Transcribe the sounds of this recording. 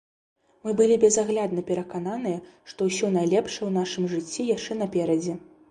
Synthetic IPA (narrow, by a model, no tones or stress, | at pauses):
mɨbɨlʲibʲɛzaɣlʲad̪nɐpʲɛɾɐkananɨjɐʂt̪ɔwsʲɔnajlʲɛpʂɐwnaʂɨmʐɨt͡sʲːijaʂt͡ʂɛnɐpʲɛɾɐd͡zʲɛ